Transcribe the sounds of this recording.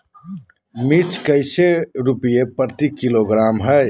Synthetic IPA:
mit͡ʃkəɪseɾupijepəɾt̪ikiloɡɾamɦəj

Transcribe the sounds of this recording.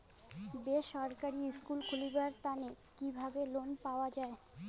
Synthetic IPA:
beʃɔɾkaɾiskulkʰulibaɾt̪ane | kibʱabelonpaoad͡ʑae

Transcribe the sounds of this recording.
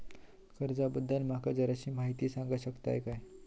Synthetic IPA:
kəɾd͡zabəd̪ʱːəlm̤akad͡zəɾaɕiːmaɦit̪iːsãŋɡaɕəkt̪a̰ekaj

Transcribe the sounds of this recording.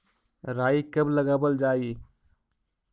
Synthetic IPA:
ɾaikəbləɡabəld͡ʒaːi

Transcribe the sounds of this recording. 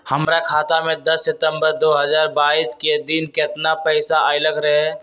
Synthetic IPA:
həmɾakʰaːt̪amẽd̪ɐsːɪt̪ə̃mbəɾd̪oːɦəzaːɾbaːisked̪ɪnkɪt̪napɛɪsaʔaɪləkɾɐɦɛ

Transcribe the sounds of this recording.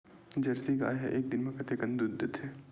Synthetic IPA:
d͡ʒɐɾsiɡa̰ːjɦɛ̰ʔeːk̚d̪ɪnmẽkɐt̪ekɐ̃nd̪ʊd̪ʱːət̪ʰɛː

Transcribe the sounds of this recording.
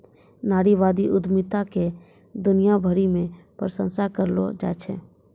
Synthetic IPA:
naːɽiʋaːd̪iʔʊd̪mɪt̪ake | d̪ʊnijabʱəɾimẽ | pɾəsə̃nsakəɾlo̰d͡ʒa̰ːt͡ʃʰɛ̰ː

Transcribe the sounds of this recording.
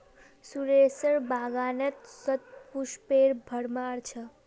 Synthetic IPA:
suɾesəɾbaɡanet̪sət̪̚puʃpeɾbʱəɽmaɾt͡ʃʰə

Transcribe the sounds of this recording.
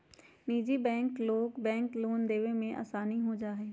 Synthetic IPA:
niːd͡ʒibɛ̃ːŋkloːkbɛ̃ːŋkloːnd̪eːʋemẽʔa̰ːsaːniɦoːd͡ʒaːɦɛː

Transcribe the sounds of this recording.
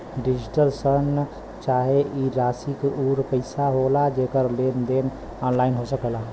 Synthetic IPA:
ɖid͡ʒiʈəlsən | t͡ʃaɦeʔiɾasikuɾpəɪsaɦolad͡ʒekəɾlend̪en | ɔnlaɪinɦosəkəla

